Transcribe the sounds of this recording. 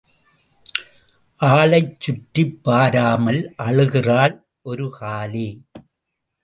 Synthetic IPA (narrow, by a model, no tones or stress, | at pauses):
ʔaːɭɐɪt͡ʃːʊʈːipːaːɾaːmɐlʔɐɻɯɣɪraːl | ʔɔɾɯkaːli